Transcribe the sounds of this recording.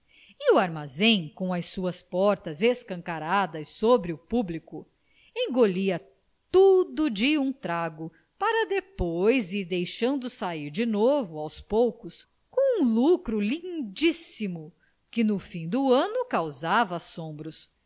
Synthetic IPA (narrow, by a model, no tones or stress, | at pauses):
ɪuaɾmazẽj̃kõɐsuɐspɔɾt̪ɐzeskɐ̃ŋkaɾad̪ɐsːobɾɪʊpublikʊ | ẽŋɡoliɐ | t̪ud̪ʊd͡ʒɪũt̪ɾaɡʊ | paɾɐd̪epojziɾd̪ejʃɐ̃nd̪ʊsaiɾd͡ʒɪnovʊawspowkʊs | kõw̃ũlukɾʊlĩd͡ʒisimʊ | kɪnʊfĩd̪ʊɐ̃nʊkawzavɐːsõmbɾʊs